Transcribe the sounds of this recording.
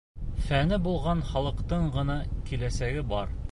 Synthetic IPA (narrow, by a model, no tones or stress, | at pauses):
fænɘbulˠʁɑnχɑlˠɤ̆qt̪ɤɴɢɤ̆nɑkilæsæɡɘbɑɾ